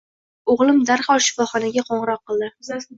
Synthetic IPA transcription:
oʁlˠɪmd̪aɾhɒlˠʃɪ̥fɒχɒnaɡʲaqʰɒɴɨɾɒqːɨlˠd̪ɪ

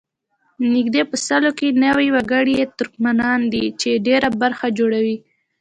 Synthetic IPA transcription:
nɪɡd̪epəsalokenawiwaɡəɽijet̪ʊɾkmanɑnd̪it͡ʃeɖeɾabaɾxad͡ʒoɽawi

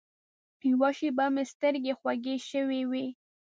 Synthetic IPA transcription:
piwɑʃibamest̪əɾɡexwaɡeʃəwewi

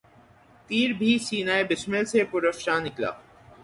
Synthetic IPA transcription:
t̪iːɾbʱisiːnaːebɪsmɪlsepʊɾəfʃanɪkla̰ː

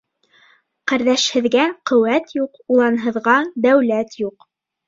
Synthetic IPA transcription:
qæɾðæʃhɘ̆ðɡæqɵ̆wæt̪juqulˠɑnɦɤ̆ðʁɑd̪æwlæt̪juq

